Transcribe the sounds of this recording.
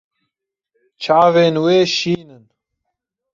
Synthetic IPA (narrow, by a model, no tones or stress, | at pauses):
t͡ʃʰaːveːnweːʃiːnɨn